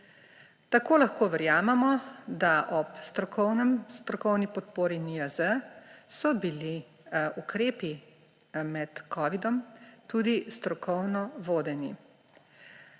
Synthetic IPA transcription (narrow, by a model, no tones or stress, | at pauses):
t̪akoːlaxkoːʋɛɾjaːmɛmɔd̪aʔɔpst̪ɾɔkɔwnɛmst̪ɾɔkɔwnipɔt̪̚poːɾiniəzəsɔbili | ukɾeːpi | mɛt̪kʰɔːʋid̪ɔmt̪ud̪ist̪ɾɔkʰɔwnɔʋoːd̪ɛni